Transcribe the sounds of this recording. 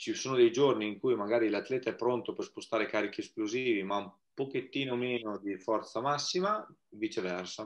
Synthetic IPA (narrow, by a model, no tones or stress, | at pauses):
t͡ʃisoːnod̪ɛjd͡ʒorniːŋkuːjmaɡaːɾilat̪ːlɛːt̪aɛpːɾont̪operspost̪aːɾekaːɾikieskloziːvimaum | poket̪ːiːnomeːnod̪ifɔrt̪samasːimavit͡ʃevɛrsa